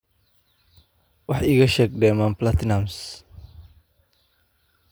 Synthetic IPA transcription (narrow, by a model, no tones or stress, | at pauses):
wɑħiɣɐʃɛːɡ̚d̪ɛmanplat̪nams